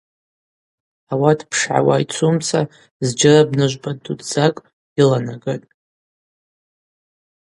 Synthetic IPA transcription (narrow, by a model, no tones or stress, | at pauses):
awadʰpʰʂʕa̰wa̰jt͡sʷʰumt͡sʰa | zd͡ʒɪrabnɨʒʷbadudz̥akʼ | ilanaɡɨtʼ